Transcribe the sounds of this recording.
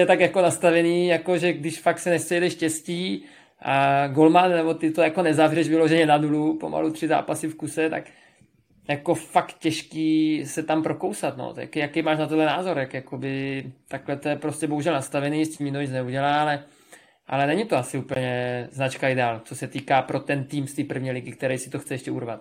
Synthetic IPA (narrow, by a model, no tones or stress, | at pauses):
jɛt̪akjako̞nast̪avɛniːjako̞ʒɛɡdɪʃfak̚t̪sɛnɛst̪sɛjdɛʃcɛsciː | ʔaɡo̞lmannɛbo̞t̪ɪt̪ojako̞nɛzavrɛʃvɪloʒɛɲɛnanulupo̞̰ma̰lut̪r̥ɪza̰ːpasɪfkusɛt̪a̰k | jako̞fakt̪cɛʃkiːsɛt̪ampɾo̞ko̞wsat̪no̰ja̰kjakɛjmaːʃnat̪odlɛnaːzo̞ɾjakjakobɪt̪aklɛt̪ojɛpɾoscɛbo̞ɦuʒɛlnast̪avɛniːscʲimɲɪnoɛnɛuɟɛlaːalɛ | ʔa̰lɛnɛɲit̪oasɪuːpl̩ɲɛznat͡ʃkaɪdɛaːlt͡sosɛt̪iːkaːpɾo̞t̪ɛnt̪iːmst̪iːpr̩vɲiːlɪɡɪkt̪ɛɾɛjsɪ̥t̪oxt͡sɛjɛʃcɛṵɾvat̪̚